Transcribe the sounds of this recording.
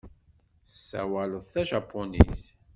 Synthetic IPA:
sːæ̰wæləðˤθæʒɑpʰːonḭs

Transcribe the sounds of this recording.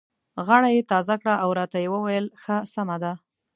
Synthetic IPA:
ɣaɽajet̪ɑzakɽaʔawɾɑt̪ajewəwajəlxəsamad̪a

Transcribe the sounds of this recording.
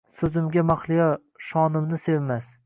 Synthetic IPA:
sɵzɪmɡʲamaχlˠija | ʃɒnɪmnɪsevmas

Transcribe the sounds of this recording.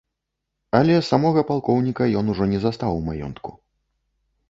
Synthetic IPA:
alʲɛsamɔɣɐpalˠkɔwnʲikɐjɔnuʐɔnʲɛzast̪awmajɔ̰nt̪kṵ

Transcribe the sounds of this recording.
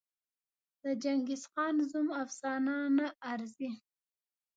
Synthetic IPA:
d̪̥əd͡ʒaŋɡisxɑnzumafsɑnɑnaːɾzi

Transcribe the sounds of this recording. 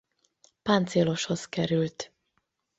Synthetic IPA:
pant̪seːloʃho̞zkɛɾylt̪

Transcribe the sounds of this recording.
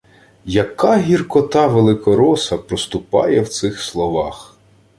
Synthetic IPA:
jɐkɑɦʲirkɔt̪ɑʋelˠɪkɔɾɔsɐpɾɔst̪ʊpɑ̰jɛwt̪sɪxslˠɔʋɑx

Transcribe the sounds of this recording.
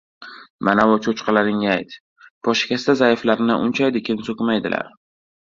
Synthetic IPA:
manavʊt͡ʃʰot͡ʃqɑlaɾɪŋajt̪ | pʰɒʃɪ̥kʲast̪azajɪflaɾɪnɪʔʊnt͡ʃʰajd̪ɪkʲʰɪnsokʲmajd̪ɪla̰ɾ

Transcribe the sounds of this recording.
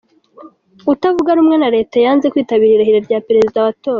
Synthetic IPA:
utavuɡaɾuːmŋe̞naɾe̞ːtajaːnze̞kwiːtaβiːɾiɾahiɾaɾɟaːpeɾe̞zidaːβatoːɾa

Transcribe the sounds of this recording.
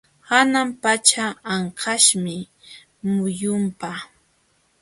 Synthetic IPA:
hanampat͡ʃaːɴqʰɑʃmɪ | mʊjʊmpa

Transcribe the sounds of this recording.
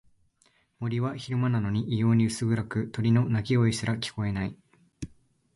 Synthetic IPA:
mo̞ɾʲiβaçiɾɯ̟manano̞ɲ̟iʔijo̞ːɲ̟iɯ̟sɨɡɯ̟ɾakɯ̟t̪o̞ɾʲino̞nakʲioisɨɾakʲi̥ko̞e̞nai

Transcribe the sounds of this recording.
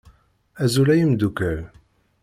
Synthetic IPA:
æzulæjəmd̪ukæɾ

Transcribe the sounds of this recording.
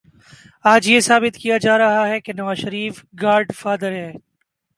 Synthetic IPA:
aːd͡ʒjesaːbɪt̪kijad͡ʒaːɾɐɦaɦɛkenɐʋaːzʃɐɾiːfɡaːɾɖfaːd̪əɾɦɛː

